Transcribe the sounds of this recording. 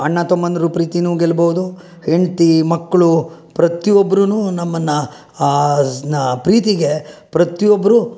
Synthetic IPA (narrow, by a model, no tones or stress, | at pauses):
ɐɳːɐt̪omːɐnːɐɾupɾiːt̪inuːɡelbɐʋud̪u | heɳt̪imɐkːɐɭupɾɐt̪iobːɐɾunuːnɐmːɐnːɐ | pɾiːt̪iɡepɾɐt̪ijobːɐɾu